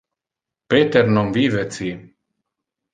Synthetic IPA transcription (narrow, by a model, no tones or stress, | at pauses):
pet̪eɾnomvivet͡si